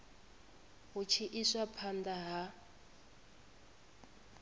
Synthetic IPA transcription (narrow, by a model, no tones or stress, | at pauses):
ɦut͡ʃʰiʔisapʰand̪aɦa